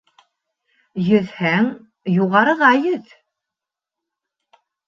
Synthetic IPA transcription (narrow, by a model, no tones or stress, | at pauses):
jɵ̆ðhæŋ | juʁɑɾɤ̆ʁɑjɵð